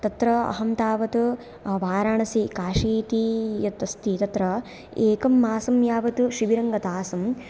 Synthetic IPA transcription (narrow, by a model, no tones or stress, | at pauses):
t̪ɐt̪ɾɐɐ̰ɦɐmt̪aːʋɐt̪u | ʋaːɾaːɳɐsikaːʂiːt̪ijɐt̪ːɐst̪it̪ɐt̪ɾɐ | eːkɐmːaːsɐmjaːʋɐt̪uʃiʋiɾɐŋɡɐt̪aːsɐm